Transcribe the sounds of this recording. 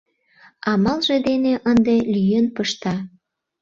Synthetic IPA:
ɑmɑlʒed̪eneʔənd̪elyjenpəʃt̪ɑ

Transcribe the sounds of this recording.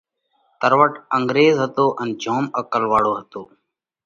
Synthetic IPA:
t̪əɾʋəʈə̃ŋɡɾeːzɦət̪oːʔənd͡ʒʱoːməkəlʋaːɽoːɦət̪oː

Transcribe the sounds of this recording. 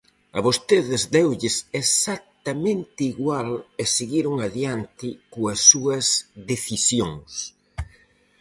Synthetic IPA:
ɐβost̪eðɪzd̪ewʎɪsesak̚t̪ɐmẽnt̪ɪiɣwaleseɣiɾʊŋaðjant̪ɪkoɐsːuɐzðeθisjoŋs

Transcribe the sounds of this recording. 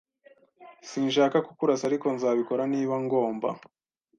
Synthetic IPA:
siːnʃaːkakukuɾasaɾiko̞nzaːβiko̞ɾaniːβaŋɡo̞ːmba̰

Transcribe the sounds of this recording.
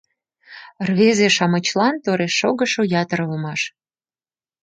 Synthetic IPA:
rβezeʃɑmət͡ɕlɑnt̪oɾeʃːoɣəʃojɑt̪əɾəlmɑʃ

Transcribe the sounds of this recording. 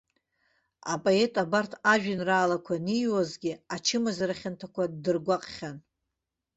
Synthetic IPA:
a̰pʼoe̞tʼabartʰaʒᶣanraːlakʷʰanijwazɡʲɪat͡ʃʰɪmazaɾaχʲantʰakʷʰadɨrɡʷaqʼχʲan

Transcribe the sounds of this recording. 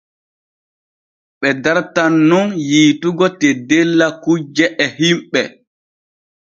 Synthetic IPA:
ɓɛdaɾtanːunjiːtuɡɔtedelːakud͡ʒɛʔɛhimɓɛ

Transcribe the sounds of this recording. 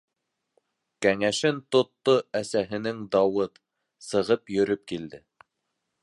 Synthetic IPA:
kæŋæʃɘnt̪ŏt̪ːoæsæɦɘ̆nɘŋd̪ɑwɤt̪ | sɤ̆ʁɤpjɵ̆ɾɵp̚kild̪ɘ

